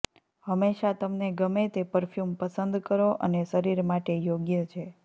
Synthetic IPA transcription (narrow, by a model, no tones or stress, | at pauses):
həmːeʃat̪əmneɡəmet̪epəɾfjumpəsənd̪kəɾoʔə̰neʃəɾiɾmaʈejoɡjət͡ʃʰe